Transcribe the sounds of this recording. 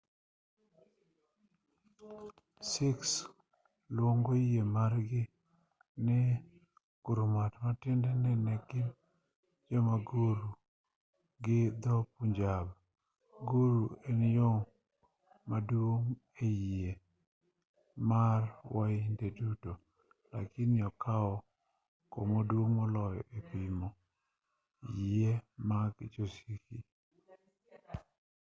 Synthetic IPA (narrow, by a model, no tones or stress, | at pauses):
sɪks | lwoŋɡojiemaɾɡɪ | nɪ | ɡ̥uɾumatmatɪndɛnɛnɛɡɪ | d͡ʒɔmaɡoɾu | ɡɪd̪ɔpuɲd͡ʒab | ɡoɾuenjo | madwoŋ | ejie | marwaindeduto | la̰kɪnɪɔkʰaɔ | komodwoŋmɔlɔjɔ̰ʔepɪmɔ | jiemaɡd͡ʒosiki